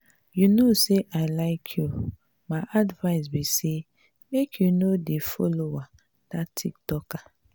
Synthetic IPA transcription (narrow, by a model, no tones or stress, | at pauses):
junoseʔaɪlaɪkʰju | maɪʔadvaɪs̬bise | mekʰjunodefɔ̰lowa | d̥atʰik̚tɔka